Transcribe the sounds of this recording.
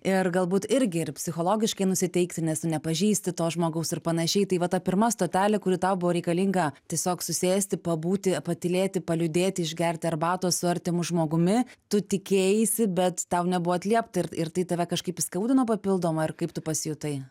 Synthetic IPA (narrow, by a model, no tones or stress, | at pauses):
ɪrɡɐlˠbuːt̪ɪɾʲɡʲɪɪrpʲsʲɪxoːlˠoːɡʲɪʃkɐɪnʊsʲɪt̪ʲɛɪkt̪ʲɪnʲɛsnʲɛpɐʒʲiːsʲt̪ʲɪtoːsʒmoːɡɐʊsɪrpɐnɐʃʲɛɪt̪ɐɪʋɐt̪ɐpʲɪrmɐst̪oːt̪ʲæːlʲɪkʊɾʲɪːt̪ɐʊbʊʋoːɾʲɛɪkɐlʲiŋɡɐtʲiɛsʲoːksʊsʲeːsʲt̪ʲɪpɐbuːt̪ʲɪpɐt̪ʲɪlʲeːt̪ʲɪpɐlʲʊd̪ʲeːt̪ʲɪɪʒʲɡʲɛɾʲtʲɪɐrbɑːt̪oːsʊɐɾʲt̪ʲɪmʊʒmoːɡʊmʲɪt̪ʊt̪ʲɪkʲeːjɪsʲɪbʲɛt̪t̪ɐʊnʲɛbʊʋoːɐtʲlʲiɛpt̪ɐɪrɪrt̪ɐɪt̪ɐʋʲɛkɐʃkɐɪpskɐʊd̪ʲɪnoːpɐpʲɪlˠd̪oːmɐːɪrkɐɪpt̪ʊpɐsʲjʊt̪ɐɪ